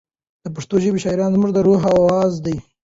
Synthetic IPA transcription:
d̪̥əp̬aʂt̪oʒəbeʃɑiɾɑnzmuʐd̪əɾoɦawɑzd̪aj

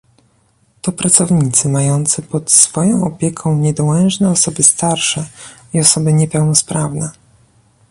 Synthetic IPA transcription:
t̪ɔpɾat̪sɔvɲit̪sɘmajɔnt̪sɘpɔt̪sfɔjɔ̃w̃ɔpʲjɛkʰɔ̃w̃ɲɛd̪ɔwɛnʐnɛɔsɔbɘst̪aɾʂɛ | iɔsɔbɘɲɛpɛwnɔspɾavnɛ

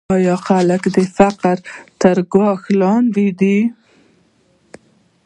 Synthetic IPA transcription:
ɑjɑxaləkd̪əfaqəɾt̪əɾɡwɑxlɑnd̪id̪i

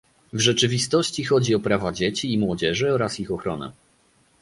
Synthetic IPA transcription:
vʐɛt͡ʂɘvʲist̪ɔɕt͡ɕixɔd͡ʑiɔpɾavad͡ʑet͡ɕiːmwɔd͡ʑɛʐɘɔɾasixɔxɾɔnɛ̰

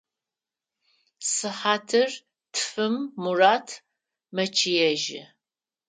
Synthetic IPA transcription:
sɨħaːtʰɨr | tʰfɨmːuraːtʰ | mɐt͡ʃʰijɛʒɪ̰

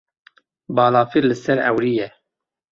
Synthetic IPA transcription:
bɑːlɑːfiɾlɨsɛɾɛ̰wɾijɛ

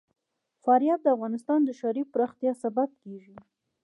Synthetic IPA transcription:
fɑɾijɑb̪̚d̪əafɣɑnɪst̪ɑnd̪əʃaɾipɾɑxt̪jɑsabab̚keʒi

